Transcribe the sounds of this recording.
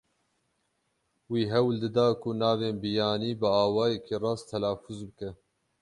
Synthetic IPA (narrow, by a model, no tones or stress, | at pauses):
wiːɦɛwld̪ɨd̪ɑːkʊnɑːveːnbijɑːniːbɨaːwɑːjɛkʰiːrɑːst̪ʰɛlɑːfuzbɨkɛ